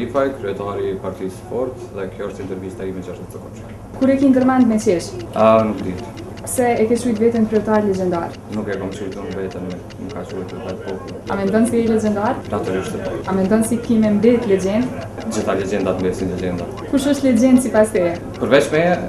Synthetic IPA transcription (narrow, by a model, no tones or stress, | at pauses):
ifajkɾiɛt̪aɾipaɾt̪isfɔɾt̪ðɛkjɔəʃt̪ɛint̪ɛɾvist̪aɾivɛnt͡ʃəəʃt̪ɛt̪pəɾkɔt͡ʃɔ | kuɾɛkiŋɡəɾmand̪mɛt͡ɕɛʃanukd̪it̪ | sɛɛkɛt͡ʃujt̪vɛt̪ənkɾiɛt̪aɾlɛd͡ʑɛnd̪a̰ɾ | nukɛkɔmt͡ʃujt̪unvɛt̪ənɛ | nukːat͡ʃuɛjt̪t̪t̪aɾpɔpu | a̰mɛnd̪ɔnsɛɛlɛd͡ʑɛnd̪aɾnat̪uɾiʃt̪ɛpɔamɛnd̪ɔnsikimɛmbɛt̪lɛd͡ʑɛnd̪d͡ʒiθalɛd͡ʒɛnd̪at̪mbɛsinlɛd͡ʒɛnd̪a | kuʃəʃt̪lɛd͡ʑɛnd̪sipast̪ɛ | pəɾvɛt͡ʃmɛ